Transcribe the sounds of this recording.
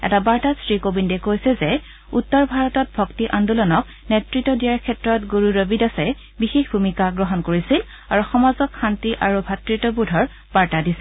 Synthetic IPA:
ɛ̰tabaɹtasɹikobindɛkojsɛzɛ | utːɔɹbʱaɹɔtɔt̚bʱɔktiʔandulɔnɔk | netɹitːɔdijaɹkʰɛtɹɔtɡoɹuɹobidasɛ | bixexbʱumikaɡɹɔɦɔnkoɹisil | aɹuxɔmazɔkxantiʔaɹubʱatɹitɔbudʱɔɹ | b̥aɹtadisɛ

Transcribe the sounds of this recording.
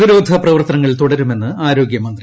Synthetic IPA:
iɾoːd̪ʱɐprɐʋɐrt̪ɐnɐŋːɐɭt̪uɽɐɾume̞nːɨaːɾo̞ːɡjɐmɐnd̪ri

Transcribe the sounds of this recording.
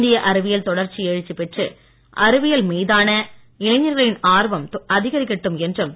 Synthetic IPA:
nd̪ɪjɐʔɐɾɯʋɪjɐlt̪ɔɽɐɾt͡ʃːieːɻɯt͡ʃːipɛʈrɯ | ʔɐɾɯʋɪjɐlmiːðaːnɐ | ɪlɐɲːɐɾɣɐɭɪnaːɾʋɐmɐðɪɣɐɾɪkːɐʈːɯmɛndrɯm

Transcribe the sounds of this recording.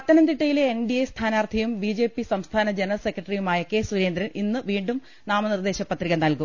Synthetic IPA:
ɐt̪ːɐnɐnd̪iʈːɐjileːnɖijest̪ʰaːnaːrt̪ʰɐjumbid͡ʑe̞ːpːisɐmst̪ʰaːnɐd͡ʑenrɐlse̞kːrɐʈɐrijumaːjɐke̞ːsuɾe̞ːnd̪ɾɐninːɨʋiːɳɖum | naːmɐnird̪e̞ːɕɐpːɐt̪riɣɐnɐlkum

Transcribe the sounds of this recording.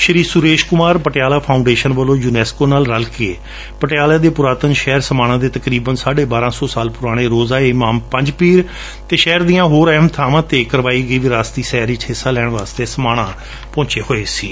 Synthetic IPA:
ʃəɾiːsʊɾeːʃkʊmaːɾpəʈɪjaːlaːpʰaːʊɳɖeːʃənʋəlõːjuːnɛːskoːnaːlɾəlkeː | pəʈɪjaːlaːd̪eːpʊɾaːt̪ənʃɛːɾsəmaːɽ̃ãːd̪eːt̪əkɾiːbənsaːɖeːbaːɾãːsɔːsaːlpʊɾaːɽ̃eːɾoːzaːemaːmpə̃ɲd͡ʒpiːɾ | t̪eːʃɛːɾd̪ijãːɦoːɾəɦəmt̪ʰaːʋãːt̪eːkəɾʋaːiːɡəiːʋiɾaːst̪iːsɛːɾit͡ʃɦɪsaːlɛːɳʋaːst̪eːsəmaːɽ̃ãː | pɔ̃ːt͡ʃeːhoːeːsḭː

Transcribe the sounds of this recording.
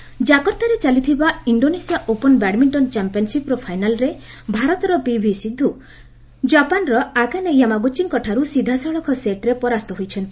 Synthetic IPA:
d͡ʒakɔɾt̪aɾet͡ʃalit̪ʰibaiɳɖonesijaʔopɔnbɛʈmiɳʈɔnt͡ʃampijɔnsipɔɾɔpʰajnalɔɾebʱaɾɔt̪ɔɾɔpibʱisid̪ʱːu | d͡ʒapanɾɔakanejamaɡut͡ʃːiŋkɔʈʰaɾusid̪ʱasɔɭɔkʰɔseʈɾepɔɾast̪ɔɦojt͡ʃʰɔnt̪i

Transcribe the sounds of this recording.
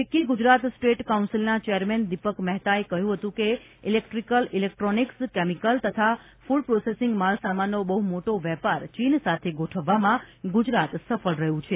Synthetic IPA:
ʋekiɡud͡ʒɾat̪sʈeʈkaunsilnat͡ʃɛjəɾmend̪ipəkmɛɦt̪aekəɦjũɦət̪ũke | ilek̚ʈɾikəlilek̚ʈɾonikskemikəlt̪ət̪ʰa | fuɖpɾosesiŋɡmalsamanːobəɦumoʈoʋɛpaɾt͡ʃinsat̪ʰeɡoʈʰəʋːamãɡud͡ʒɾat̪səfəlɾəɦũt͡ʃʰe

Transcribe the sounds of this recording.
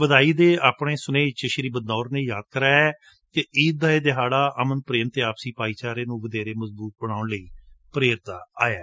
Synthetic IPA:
ʋəd̪aːiːd̪eːaːpɳeːsʊnẽːt͡ʃəʃəɾiːbəd̪̚nɔːɾnejaːd̪̚kəɾaːɛː | keʔiːd̪aːeːd̪ɪɦaːɽaːʔəmənpɾeːmt̪eːaːpsiːpaːiːt͡ʃaːɾeːnũːʋəd̪eːɾeːməzbuːt̪̚bəɽ̃aːʊɳləiːpəɾeːɾt̪aːaːjaː

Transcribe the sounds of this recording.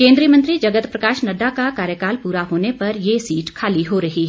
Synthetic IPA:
kẽːnd̪ɾijəmɐ̃nt̪ɾid͡ʒɐɡət̪pɾɐkaːʃnɐɖakakaːɾjəkaːlpuːɾaɦoːnepɐɾjesiːʈkʰaːliɦoːɾɐɦiɦ

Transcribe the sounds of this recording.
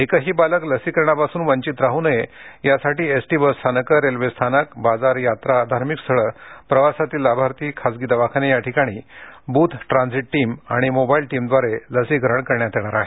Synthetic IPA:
ekəɦiːbaləkləsikəɾɳapasuːnʋəɲt͡ɕit̪ɾaɦunəjejasaʈiːesʈibəst̪ʰanəkəɾelʋest̪ʰanəkbad͡zaɾjat̪ɾaːd̪ʱaɾmikst̪ʰəɭəpɾəʋasat̪iːlːabʱaɾt̪iːkʰasɡit̪aʋakʰanejaʈʰikaɽ̃iːbuːt̪ʰʈɾãnd͡ziʈːiːma̰ɽ̃imobailʈiːmd̪ʋaɾeləsiɡʱɾəɳkəɾɳjat̪eɽ̃aɾaɦe

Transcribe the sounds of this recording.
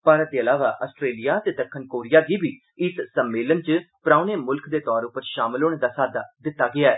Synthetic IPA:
paːɾət̪̚d̪eːəlaːʋa̰ːʔəsʈɾeːlijaːt̪eːd̪əkʰːənkoːɾijaːɡiːbʱiː | ɪssəmːeːlənt͡ʃpɾãːuneːmʊlkʰd̪eːt̪ɔːɾʊpəɾʃaːmɪloːɽ̃eːd̪aːsaːd̪aːd̪ɪt̪ːaːɡɪaːɛː

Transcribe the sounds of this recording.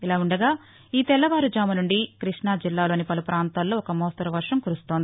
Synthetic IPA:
ilaːuɳɖɐɡaː | iːt̪ɛlːɐʋaːɾud͡ʒaːmɐnuɳɖikɾiʂɳad͡ʒilːaːlo̞ːnipɐlupɾaːnt̪aːlːo̞ːɔkɐmɔːst̪ɐɾɐʋɐɾʂɐmkuɾust̪ond̪i

